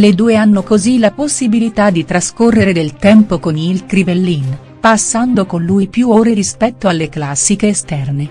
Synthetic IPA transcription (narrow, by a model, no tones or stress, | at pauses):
led̪uːeanːokozilaposːibilit̪ad̪it̪ɾaskorːeɾed̪elt̪ɛmpokonilkɾivelːin | pasːand̪okonluipjuoɾeɾispɛt̪ːoalːeklasːikeːst̪ɛrne